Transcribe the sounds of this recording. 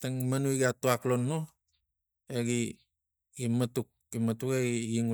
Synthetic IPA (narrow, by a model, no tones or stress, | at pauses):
taŋmanuiɡatuaklonːo | eɡi | imatuk̚imatukeɡiɡiŋu